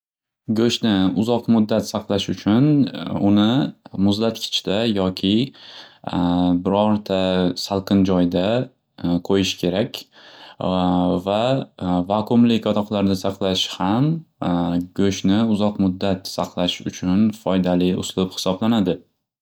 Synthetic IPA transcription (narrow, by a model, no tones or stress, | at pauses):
ɡʲɵʃnɪʊzɒqmʊd̪ːat̪saqlˠaʃʊt͡ʃʰʊnʊnɪmʊzlat̪kʲʰɪ̥t͡ʃt̪ajɒkʲʰɪ | bɪɾɒɾt̪ʰasalˠqʰɨnd͡ʒɒjd̪a | qʰojɪʃkʲʰe̞ɾakʲ | vavakʰʊmlɪkʲɒt̪ʰɒqlˠaɾd̪asɑqlˠaʃham | ɡɵʃnɪʊzɒqmʊd̪ːat̪saqlˠaʃʊ̰t͡ʃʰʊnfɒjd̪alɪʊ̰slɪphɪ̥sɒblanad̪ɪ